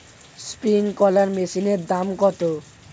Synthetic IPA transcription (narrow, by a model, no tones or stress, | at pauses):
spiŋkɔlaɾmesineɾd̪amkɔt̪o